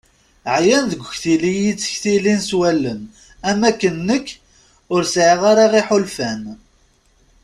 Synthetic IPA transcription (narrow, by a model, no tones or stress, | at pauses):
ʕjænðəɡʷəçθilijit͡sːə̥çθilinswælːən | æmækːənːəkː | ʊɾsʕiʁaɾɑʁiħolfæn